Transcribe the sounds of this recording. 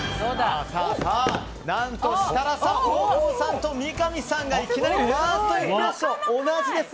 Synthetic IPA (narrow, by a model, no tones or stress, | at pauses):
sod̪saːsaː | nãnt̪o̞ɕi̥t̪aɾasãoosãnt̪o̞mʲikamʲisãŋɡaikʲinaɾiβaːt̪ːoiaɕoonaʑid̪e̞s